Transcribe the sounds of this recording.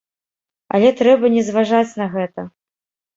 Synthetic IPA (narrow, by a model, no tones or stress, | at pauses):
ɐ̰lʲɛt̪ɾɛbɐnʲɛzvaʐat͡sʲnɐɣɛt̪ɐ